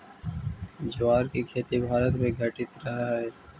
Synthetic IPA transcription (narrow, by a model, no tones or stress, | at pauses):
d͡ʒʊʋaːɾkikʰeːt̪ibʱaːɾət̪mẽɡʱəʈɪt̪ɾɐɦaɦɛː